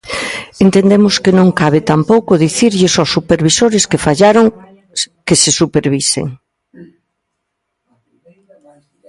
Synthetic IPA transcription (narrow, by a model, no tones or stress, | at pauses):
ent̪ẽnd̪emʊskenõŋkaβ̞et̪ampowkʊðiθiɾʎesowsːupeɾβisoɾeskefaʎaɾoŋ | kesesupeɾβisḛŋ